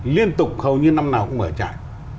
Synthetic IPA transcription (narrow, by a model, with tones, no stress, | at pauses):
li˧ənt̪ʊ˨˩k͡p̚hə˨˩wɲɨ˧na˧mnaː˨˩wkʊ̰˧˥ŋ͡mməː˧˩t͡ɕa̰ː˧˨j